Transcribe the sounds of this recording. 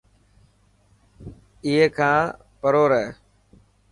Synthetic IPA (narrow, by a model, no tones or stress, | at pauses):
iɦeːkʰãː | pəɾoːɾəeː